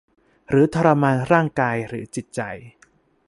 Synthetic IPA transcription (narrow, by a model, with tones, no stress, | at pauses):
ɾɯː˩˦t̪ʰa˧ɾa˧maː˧nɾaː˥˩ŋkaː˧jɾɯ̰ː˩˦t͡ɕi˨˩t̪̚t͡ɕa˨˩j